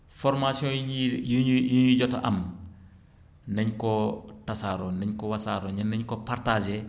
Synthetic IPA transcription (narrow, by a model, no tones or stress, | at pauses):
fɔɾmasiɔ̃ijuɲuɟɔtaʔɐ̰m | nɛɲkɔtasaɾɔnɛɲkɔwasaːɾɔɲɐnɛɲkɔpartad͡ʒɛ